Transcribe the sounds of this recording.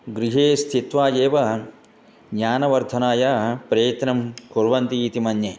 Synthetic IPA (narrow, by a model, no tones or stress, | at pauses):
ɡɾiɦeːst̪ʰit̪ʋaːjeːʋɐ | ɡɲaːnɐʋɐɾd̪ʱɐnaːjɐpɾeːt̪nɐmkuɾʋɐnt̪iːt̪imɐnje